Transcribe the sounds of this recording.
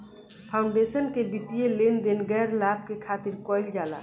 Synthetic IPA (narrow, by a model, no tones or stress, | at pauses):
pʰaʊ̃ɳɖesənkebit̪ijelend̪enɡɛɾlab̚kekʰat̪iɾkɔjld͡ʒaːla̰